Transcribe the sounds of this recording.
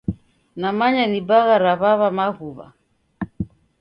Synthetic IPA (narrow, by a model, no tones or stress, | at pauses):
namaɲanibaɣaɾaβaβamaɣuβa̰